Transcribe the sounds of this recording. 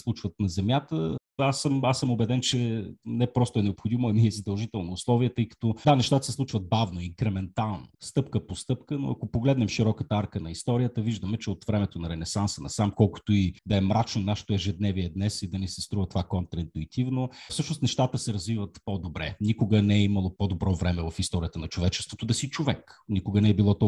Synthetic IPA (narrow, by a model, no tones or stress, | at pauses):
slˠut͡ʃvət̪̚nɐzɛmjat̪ə | asəmasəmobɛd̪ɛnt͡ʃɛnɛpɾɔst̪ʊɛnɛopxod̪imoɐmiɛzəd̪ɐlˠʒit̪ɛlˠnoːslˠɔviɛt̪əjkɐ̥t̪ɔd̪anɛʃt̪at̪ə̥sɛslˠut͡ʃvət̪̚bavnoiŋkɾɛmɛnt̪alˠnst̪ɤpkəpost̪ɤpkəno̰ɐ̰kopoɡlɛd̪nɛmʃiɾɔkət̪əaɾkənɐist̪ɔɾiət̪əviʒd̪əmɛt͡ʃɛot̪vɾɛmɛt̪onɐɾɛnɛsansənɐsamkɔlˠkʊ̥t̪ʊid̪ɐɛmɾat͡ʃnonaʃɛ̥t̪oɛʒɛd̪nɛviɛd̪nɛsid̪ɐnɛsɛst̪ɾuvət̪ovakɔnt̪ɾəint̪uit̪ivnofsɤʃnosnɛʃt̪at̪əsɛɾɐzvivət̪pod̪obɾɛ̰nikoɡənɛɛiməlˠopod̪obɾɔvɾɛmɛvɐfist̪ɔɾiət̪ənɐt͡ʃovɛt͡ʃɛst̪vot̪od̪ɐsit͡ʃovɛknikoɡənɛɛbilˠɔt̪ɔ